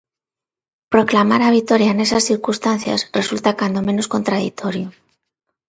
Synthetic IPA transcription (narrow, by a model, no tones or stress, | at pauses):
pɾo̞klamaɾaβ̞it̪o̞ɾjaene̞sasθiɾkust̪an̟θja̰sre̞sult̪akand̪o̞me̞no̞sko̞nt̪ɾaðḭt̪ʰo̞ɾjo